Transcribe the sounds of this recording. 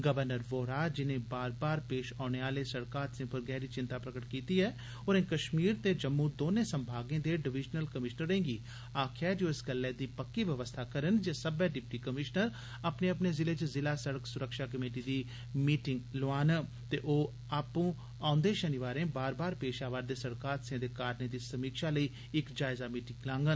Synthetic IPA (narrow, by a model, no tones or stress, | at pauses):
ɡəʋəɾnəɾʋoːɾaːd͡ʒɪnẽːbaːɾbaːɾpeːʃaːneaːleːsəɽkaːt̪sɪ̃ːpʰəɾɡɛːɾiːt͡ʃɪ̃nt̪aːpɾəkəʈkiːt̪iːɛː | oːɾẽkəʃmiːɾt̪eːd͡ʒəmːud̪oːneːsə̃mbʱaːɡẽːd̪eːɖɪʋɪd͡ʒnəlkəmɪʃnəɾẽːŋɡiː | aːkʰɛːd͡ʒoːɪsɡəlːɛːd̪iːpəkːiːʋəʋəst̪ʰaːkəɾənd͡ʒeːsəbɛːɖɪp̚ʈiːkəmɪʃnəɾ | apneːəp̬neːzɪleːt͡ʃzɪlaːsəɽəksʊɾəkʃaːkəmeːʈ̬iːd̪iː | miːʈɪŋɡloaːn | t̪eːʔoː | aːpũː | ãːnd̪eːʃənɪʋaːɾẽːbaːɾbaːɾpeːʃaːʋaːɾd̪eːsəɽkaːɾsẽːd̪eːkaːɾnẽːd̪iːsəmiːkʃaːləiː | ɪkd͡ʒaːɪzaːmiːʈɪŋɡlãːŋɡən